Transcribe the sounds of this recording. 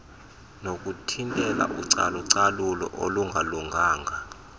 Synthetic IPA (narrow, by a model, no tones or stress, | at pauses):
nok̬ʼutʰintʼɛla̰ʔṵǀa̰luǀalulɔ̰ʔoluŋɡʱaluŋʱaːŋʱa